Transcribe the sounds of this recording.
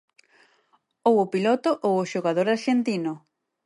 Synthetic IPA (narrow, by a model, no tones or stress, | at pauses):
owʊpilɔt̪ʊʔowʊʃoɣaðoɾaɾʃent̪inʊ